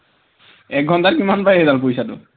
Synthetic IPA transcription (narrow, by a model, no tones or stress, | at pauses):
ɛk̚ɡʱɔntaɾkimanpajed̪alpojsat̪o̰